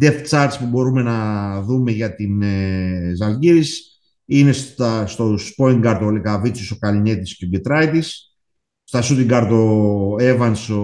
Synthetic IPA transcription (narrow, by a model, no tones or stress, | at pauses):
d̪eft̪t͡sɐɾspubo̞ɾumenɐðumeʝɐt̪inezɐlɟiɾis | ine̞st̪ɐst̪ospo̞iŋɡɐɾt̪olikavit͡sosokɐlinet̪isceoɟet̪ɾɐjt̪is | st̪ɐsut̪iŋɡɐɾt̪oe̞vɐnso